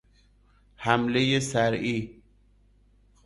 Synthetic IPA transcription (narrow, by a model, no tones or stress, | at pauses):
hæmlejesæɾiː